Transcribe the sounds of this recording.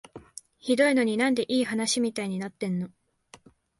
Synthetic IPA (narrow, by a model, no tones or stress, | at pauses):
çid̪o̞ino̞ɲ̟inãnd̪e̞ʔiːhanaɕimʲit̪aiɲ̟inat̪ːẽ̞nːo̞